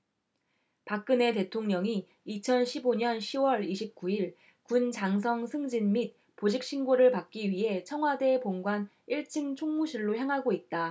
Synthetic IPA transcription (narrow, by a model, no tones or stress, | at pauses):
pak̚k͈ɯne̞te̞tʰoŋɲʌŋiː | t͡ɕʰʌnɕʰiboɲʌnɕʰiwʌɾiɕʰip̚k͈uiɭ | kunt͡ɕaŋs̬ʰʌŋsʰɯŋd͡ʑinmit̚ | pod͡ʑik̚ɕ͈ʰinɡoɾɯɭpak̚k͈iɥiɦe̞t͡ɕʰʌŋɦwade̞poŋɡwan | iɭt͡ɕ͈ʰiŋt͡ɕʰoŋmuɕʰiɭːoçjaŋɦaɡoit̚t͈a